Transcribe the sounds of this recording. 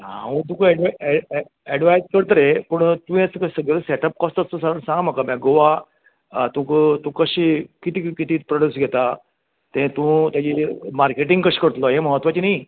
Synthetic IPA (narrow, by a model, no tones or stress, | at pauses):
ɦã̰ũt̪̬ũkəɛɖʋaɛ | ɛɖʋajskəɽt̪əɾepəɳt̪ũɛ̃səkəsəɡɭəseʈəp̚kɔst̪əst̪əsaɾənsãŋɡm̤akamjaɡoʋa | t̪ũkt̪ũkəɕiːkit̪ikit̪iːpɾɔɽusɡʱɛt̪a | t̪ɛ̃t̪ũt̪jad͡ʑiːmaɾkeʈ̬ĩŋɡkəɕi̥ːkəɽt̪lɔɦẽməɦət̪ʋat͡ɕinai